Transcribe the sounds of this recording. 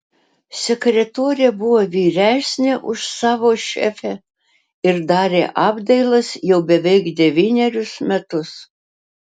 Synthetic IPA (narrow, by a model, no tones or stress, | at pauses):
sʲɛkɾʲɛt̪oːɾʲɪjɛbʊʋoːʋʲiːɾʲæːsʲnʲɛʔʊʃsɑːʋoːʃʲɛ̰fʲæ | ɪɾd̪ɑːɾʲḛːʔɑːbd̪ɐɪlˠɐsjɛʊbʲɛʋʲɛɪkd̪ʲɛʋʲiːnʲɛɾʲʊsmʲɛt̪ʊs